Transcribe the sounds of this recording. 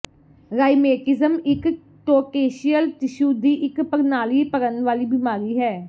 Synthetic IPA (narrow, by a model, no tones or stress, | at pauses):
ɾaːimeːʈɪzəmɪk | ʈoːkeːʃiəlt̪ɪʃuːd̪iːʔɪkpəɾnaːliːpəɾənd̪ʋaːliːbɪmaːɾiːɦɛː